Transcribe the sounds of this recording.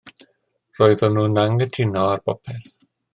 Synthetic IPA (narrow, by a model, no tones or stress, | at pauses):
roːɨðɔnuːnaŋɡətʰɪnɔarb̥ɔpʰɛθ